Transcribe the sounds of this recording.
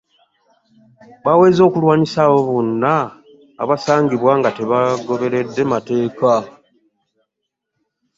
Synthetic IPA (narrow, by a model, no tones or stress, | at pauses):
βawe̞ːzo̞ːkulwaːnisaːβo̞βonːa̰ː | βasaːŋɡiβwaŋɡate̞βaɡo̞βe̞ɾe̞dːe̞mate̞ːka